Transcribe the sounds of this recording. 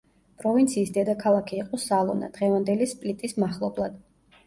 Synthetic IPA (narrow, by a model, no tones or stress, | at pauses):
pʼɾɔvint̪sʰiːsd̪ɛd̪akʰalˠakʰiːqʼɔsalˠɔ̰na̰d̪̥ʁɛvand̪ɛlispʼlit̪ʼismaχlˠɔblˠad̪̥